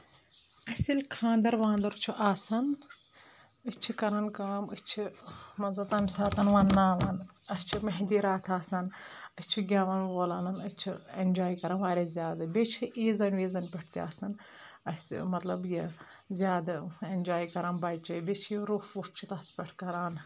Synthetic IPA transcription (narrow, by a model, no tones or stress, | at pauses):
ɐsʲilʲkʰãːnd̪ɐɾʋãːnd̪ɐɾt͡ʃʰiʔaːsɐn | ɨt͡ʃʰikɐɾɐnkaːmɨst͡ʃʰimɐnzɐt̪ɐmsaːt̪ɐnʋɐnːaːʋɐn | ɐst͡ʃʰimɐɦd̪iːɾaːt̪ʰaːsɐnɐst͡ʃʰiɡʲaːʋɐnʋoːlaːlɐnɐt͡ʃʰiend͡ʒaːjikɐɾɐnʋaːɾʲezʲjaːd̪ɐbʲet͡ʃʰiʔiːzɐnʋiːzɐnpʲɐʈʰt̪ia̰ːsɐn | ɐsmɐt̪lɐbji | zʲjaːd̪end͡ʒaːikɐɾɐːnbɐt͡ʃɐbʲet͡ʃʰiɾuːfup̚t͡ʃʰit̪ɐspʲeʈʰkɐɾaːn